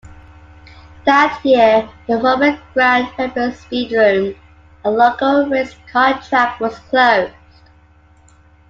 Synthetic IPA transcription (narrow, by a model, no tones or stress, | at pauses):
ðətjɪəðəɹɔbət̚ɡ̥ɹãnpʰɛpɹəlˠspiːdɹʉ̃ːm | əlokəlˠɹɪskʰɑ̃tʰɹ̥æk̚wɒz̥kʰl̥oʊz̥d̥